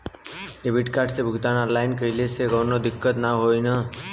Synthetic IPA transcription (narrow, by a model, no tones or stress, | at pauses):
ebɪʈkaːʈsebʱʊɡt̪analaɪnkəileseɡəːnod̪ɪkːət̪naɦoina